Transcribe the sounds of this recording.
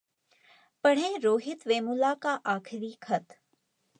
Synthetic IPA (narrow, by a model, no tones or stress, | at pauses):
pɐɽ̤ẽːɾoːɦɪt̪ʋeːmʊlakaʔaːkʰɪɾiːkʰɐt̪